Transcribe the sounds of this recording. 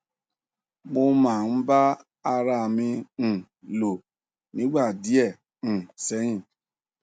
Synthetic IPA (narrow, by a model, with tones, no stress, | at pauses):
mo˧mã˨n̩˦ba˦ | a˧ɾa˧˨mĩ˧˨ | lo˨ | nĩ˨˦ɡ͡ba˦˨di˦ɛ˦˨ | ñ̩˨sɛ˨˦jĩ˦˨